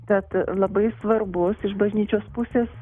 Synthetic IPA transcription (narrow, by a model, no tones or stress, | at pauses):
kɛt̪lˠɐbɐɪsʋɐrbʊsɪʃbɐʒʲnʲiːt͡ʃʲoːspʊsʲeːs